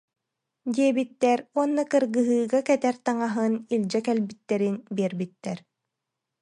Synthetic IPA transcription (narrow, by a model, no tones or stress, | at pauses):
d̪iɛbit̪ːɛɾuɔnːakɯɾɡɯɦɯːɡakɛt̪ɛɾt̪aŋaɦɯnilʲd͡ʑɛkɛlbit̪ːɛɾinbiɛɾbit̪ːɛɾ